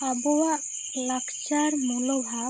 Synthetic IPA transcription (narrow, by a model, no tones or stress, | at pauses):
abɔwa | lakʰt͡ʃaɾmulɔbʱa